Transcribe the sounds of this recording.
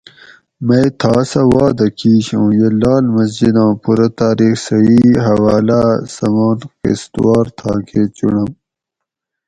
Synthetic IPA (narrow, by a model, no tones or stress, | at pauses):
mɐjt̪ʰɑːsɐwɑːd̪ɐkiːɕõːjelɑːlmɐs̬d͡ʑid̪ɑ̃ːpuɾɐt̪aːɾiːxsɐiːɦɐwaːlasɐmaːnkḭst̪waːɾt̪ʰɑ̰ːkʰeːt͡ɕṵɳɐm